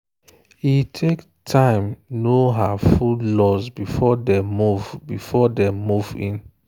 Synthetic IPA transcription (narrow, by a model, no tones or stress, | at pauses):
hitʰek | tʰãɪ̃mnoɦafullɔsbifɔdɛmuvbifɔdɛmuvḭ̃n